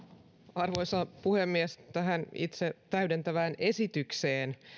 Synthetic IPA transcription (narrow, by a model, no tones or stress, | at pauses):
ɑrʋojsɑpuhemːiest̪æɦænḭt̪set̪æɥdent̪æʋæːne̞sit̪ykseːn